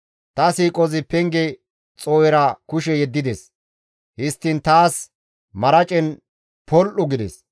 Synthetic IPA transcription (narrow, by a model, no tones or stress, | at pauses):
t̪ɐsiːkʼɔzɪpɛŋɡɛ | t͡sʼoːjɛɾɐkʊʃɛjɛd̪ːɪd̪es | hɪst̪ːɪnt̪aːs | mɐɾɐt͡ʃʼɛn | pɔlʔʊɡɪd̪ɛ̰s